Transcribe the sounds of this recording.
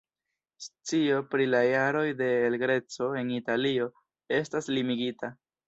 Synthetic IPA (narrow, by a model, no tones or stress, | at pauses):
st͡sio̞pɾilajaɾo̞jde̞ːlɡɾe̞t͡so̞e̞nitalio̞ | e̞staslimiɡita